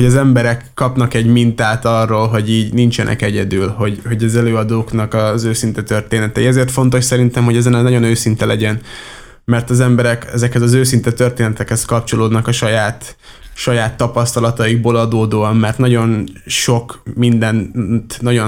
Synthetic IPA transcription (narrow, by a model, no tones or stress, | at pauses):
hoɟɒzɛmbɛɾɛkːɒpnɒkɛɟmint̪aːt̪ɒrːoːlɦo̞ɟiːɟnint͡ʃɛnʔɛ̰kɛɟɛd̪yːlho̞ɟho̞ɟɒzɛløːɒd̪oːknɒkɒzøːsint̪ɛt̪ø̞rt̪eːnɛt̪ɛiɛzeːrt̪fo̞nt̪o̞ʃsɛɾint̪ɛmɦoɟɛzɛnnɒɟo̞nøːsint̪ɛlɛɟɛn | mɛrt̪ɒzɛmbɛɾɛkɛ̰zɛkhɛzɒzøːsint̪ɛt̪ø̞rt̪eːnɛt̪ɛkhɛskɒpt͡ʃo̞loːd̪nɒkɒʃɒjaːt̪ | ʃɒjaːt̪ːɒpɒst̪ɒlɒt̪ɒiɡ̚boːlɒd̪oːd̪oːɒmːɛrt̪nɒɟo̞nʃo̞kmind̪ɛnt̪nɒɟo